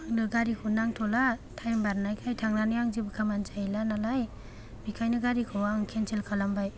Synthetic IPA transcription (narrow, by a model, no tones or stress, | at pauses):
aŋnɯɡaɾikʰunaŋtʰɔlatʰajmbaɾnajkʰajtʰaŋnanɯjaŋzibɯkʰamand͡ʒajlanalaj | bikʰajnɯɡaɾikʰɯwaŋkʰensʰelkʰalambaj